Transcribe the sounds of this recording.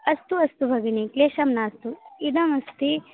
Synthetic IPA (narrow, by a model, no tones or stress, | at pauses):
ɐst̪uɐst̪ubʱɐɡinikleːʃɐmnaːst̪uid̪ɐmɐst̪i